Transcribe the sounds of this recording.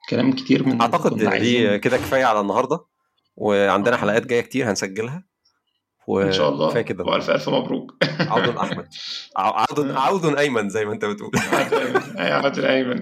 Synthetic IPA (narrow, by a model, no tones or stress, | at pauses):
kælæːmke̥t̪iːɾmeaʕt̪ɑqed̪̰d̪iːked̪æke̥fæːjæʕalænːɑhɑɾˤd̪ˤɑ | weʕand̪enæħalæʔæːt̪̚ɡæjːækt̪iːɾhænsæɡːelɦæ | weʃæ̰ːʔɑlˤːɑ̰efæːjæked̪ææʔæ̰lfæ̰ʔɾfilmɑbɾṵːkʕawd̪onʔa̰ħmæd̪̚ʕa̰ʕawd̪ʕawd̪onʔæjmænzæjmæʔent̪æbet̪ʔṵːlʕd̪æjmʔæ̰ʕawd̪ʔæjmæn